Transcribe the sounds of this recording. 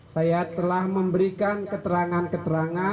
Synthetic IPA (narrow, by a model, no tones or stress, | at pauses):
sajat̪əlahməmbəɾikankət̪əɾaŋankət̪əɾaŋa